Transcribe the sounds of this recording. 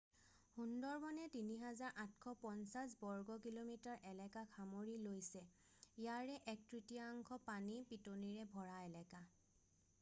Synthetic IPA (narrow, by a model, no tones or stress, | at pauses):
hundɔɹmɔnɛtiniɦazaɹʔãtkʰɔpɔnsas̬bɔɹɡɔkilomitaɹʔɛlɛkakʰamoɹilojsɛ | ijaɹɛʔɛk̚tɹitiaŋkʰɔpanipitoniɹɛbʱɔɹaɛlɛka